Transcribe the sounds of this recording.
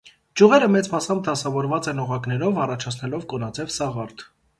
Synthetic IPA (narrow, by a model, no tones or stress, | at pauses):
d͡ʒuʁɛɾəmɛt͡smɑsɑmb̚d̪ɑsɑvɔɾvɑt͡sɛnɔʁɑknɛɾɔvɑrɑt͡ʃʰɑt͡sʰnɛlɔvkɔnɑt͡sʰɛvsɑʁɑɾt̪